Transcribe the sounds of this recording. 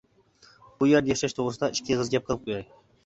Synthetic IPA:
b̥ujeɾd̪ajɛʃɛʃt̪ʰoʁɾɨsd̪ɑʔɪʃkʲʰiʁəzɡʲɛp̚qʰəlˠɨp̚qʰojɑj

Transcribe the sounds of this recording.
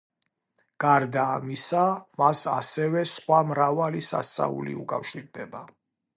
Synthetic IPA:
ɡ̥aɾd̪aːmisamasasɛvɛsχwamɾavalisa̰st̪sʼa̰ṵlḭukʼafʃiɾd̪ɛba

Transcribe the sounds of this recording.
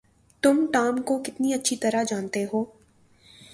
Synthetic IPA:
t̪ʊmʈaːmkokɪt̪niɐtːʃʰit̪ɐɾaɦd͡ʒaːnt̪eɦoː

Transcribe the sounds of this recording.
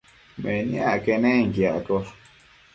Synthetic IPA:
mɛ̃njakenẽŋ̩ɡjaʔko

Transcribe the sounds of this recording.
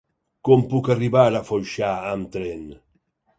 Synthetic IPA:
kɔmpukaribaɾafɔjʃaamt̪ɾɛn

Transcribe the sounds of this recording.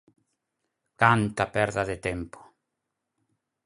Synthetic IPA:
kant̪apɛɾðaðɪt̪ɛmpo̥

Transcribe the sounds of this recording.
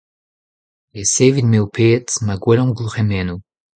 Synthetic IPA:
leseːvid̪meupʰeːtmaɡwɛlɔ̃buʁemɛnu

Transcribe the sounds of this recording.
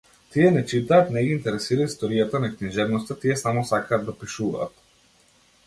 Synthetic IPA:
t̪iɛnɛt͡ʃit̪aːt̪nɛɡiːnt̪ɛɾɛsiɾaist̪ɔɾijat̪anakniʒɛvnɔst̪at̪iɛsamɔsakaːd̪ːapiʃuva̰ːt̪

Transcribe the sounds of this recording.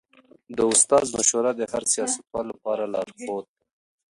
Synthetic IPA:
d̪əʊst̪ɑzmaʃoɾad̪əhaɾsijɑsḁt̪̚wɑlːapɑɾalɑɾxot̪̚

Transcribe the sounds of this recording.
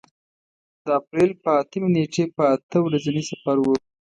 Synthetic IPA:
d̪̥əapɾelpəat̪əmeneʈepəat̪əwɾazanisafaɾwə

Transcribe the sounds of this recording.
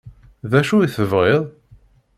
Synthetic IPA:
ðæʃuiθəvʁɪðˤ

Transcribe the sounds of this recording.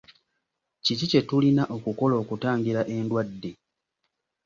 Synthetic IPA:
cicice̞tulinaʔo̞kuko̞lo̞ːkutaːŋɡiɾaʔe̞ndwadːe̞

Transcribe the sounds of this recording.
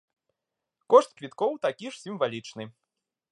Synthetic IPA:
kɔʂt̪̚kvʲit̪kɔwt̪akʲiʂsʲimvalʲit͡ʂnɨ

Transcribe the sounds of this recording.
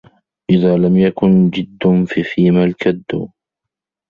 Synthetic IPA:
ʔɪðaːlamjakʊnd͡ʒɪd̪ːʊfifiːmalkad̪ːʊ̰

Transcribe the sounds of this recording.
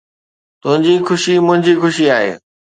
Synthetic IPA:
t̪ʊɦɪ̃ɲd͡ʑixʊʃimʊ̃ɦɪ̃ɲd͡ʑixʊʃiaːɦḛː

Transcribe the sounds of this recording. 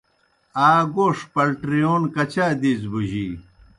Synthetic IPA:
aːɡoːʂpɐlʈɾijoːnkɐt͡ɕaːd̪iːzbuʑi

